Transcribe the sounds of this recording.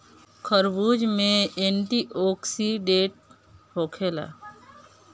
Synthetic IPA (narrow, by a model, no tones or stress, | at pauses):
kʰəɾbuːd͡ʒmẽeːɳʈiʔoːksiɖeːʈ̚ | hoːkʰeːla̰ː